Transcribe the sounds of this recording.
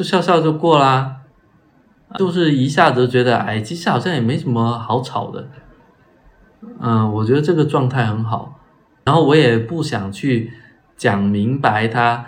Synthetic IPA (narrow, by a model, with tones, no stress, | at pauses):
t͡ɕjo˥˧ʊɕjɑ˥˧ʊɕjɑ˥˧ʊt͡ɕjo˥˧ʊkwɔ˥˩lə˩ | jo˥˧ʊʂ̬ɻ̩˥˩i˧˥ɕja˥˩d͡z̩˨˩t͡ɕɥɛ˧˥d̪ə˧a̰˥˩ɪt͡ɕʰi˥ʂɻ̩i˥˩xɑ˨˩ɕjɑ˥˩ŋjɛ˨˩me˧˥ɪʂə˧˥nmə˧xɑ˧˥ʊt͡sʰɑ˨˩ʊd̪ə̰˦ | ə˥˩wɔ˨˩t͡ɕɥɛ˧˥d̪ə˧ʈ͡ʂɤ˥˩ɡə˩ʈ͡ʂwɑ˥˧ŋt̪ʰa˥˩ɪxə˧˥nxɑ˨˩˦ʊ | ɻa˧˥nxo˥˩ʊwɔ˧˥jɛ˨˩pu˥˩ɕjɑ˨˩ŋt͡ɕʰy˥˩ | t͡ɕjɑ˨˩ŋmi˧˥ŋpa˧˥ɪt̪ʰa˥